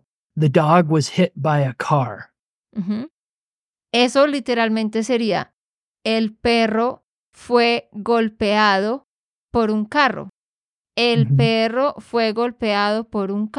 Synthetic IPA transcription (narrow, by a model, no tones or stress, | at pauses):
ðɨdɔɡwʌz̥hɪt̚b̥aɪɨkʰɑɹ̩ | ɦ̩ | e̞so̞lit̪e̞ɾalmẽnt̪e̞se̞ɾia̰ | elpero̞ | fwe̞ɡo̞lpeaðo̞ | po̞ɾuŋkaro̰ | elpero̞fwe̞ɣo̞lpeaðo̞po̞ɾuŋk